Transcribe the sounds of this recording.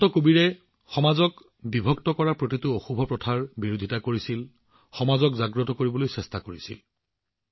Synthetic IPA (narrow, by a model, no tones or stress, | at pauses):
tɔkubiɹɛ | xɔmazɔk | bibʱɔktɔkɔɹapɹotitʊoxubʱɔpɹɔtʰaɹbiɹodʱitakoɹisil | xɔmazɔkzaɡɹɔtɔkoɹibɔlojsɛstakoɹisḭl